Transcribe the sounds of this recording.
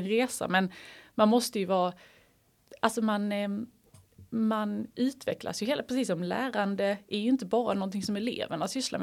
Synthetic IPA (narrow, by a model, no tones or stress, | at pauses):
nɾeːsa̰mɛnmanmɔst̪əjɵvɑː | ʔalsɔman | manʉ̟ːt̪vɛ̰kla̰sjɵɦeːlpʰɾɛsiːsɔmlæ̰ːɾand̪əæɾjɵɪnt̪əbɑːɾanɔnt̪ʰɪŋsɔmɛlḛːvəɳasʏsla̰m